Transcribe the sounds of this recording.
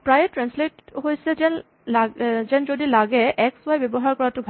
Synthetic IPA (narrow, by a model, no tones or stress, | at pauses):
pɹajetɹɛnsletɦojsɛɛn | lazɛnd͡ʒodilaɡɛʔɛkswajbɛbɔɦaɹkɔɹatʊbʱ